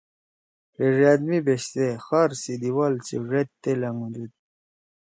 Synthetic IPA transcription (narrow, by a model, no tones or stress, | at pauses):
ɾeʐad̪mibeɕt̪exaɾsid̪iwalt͡sḭʐet̪ːelɐŋud̪ud̪̚